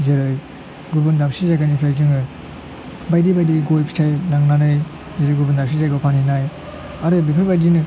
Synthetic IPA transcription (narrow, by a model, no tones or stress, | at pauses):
zeɾɯj | ɡubundamsizajɡanipʰɾajzɯŋɯ | bajdibajdiɡojpʰi̥tʰajlaŋnanɯj | zeɾɯjɡubundams̬izajɡapʰaninaj | aɾɯbipʰɯɾbajdinɯ